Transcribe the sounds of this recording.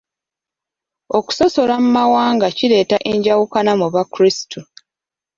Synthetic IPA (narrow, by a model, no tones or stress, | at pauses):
o̞ku̥so̞so̞lamumawaːŋɡaciɾe̞ːtaʔeɲɟawukanamuβakɾistʰu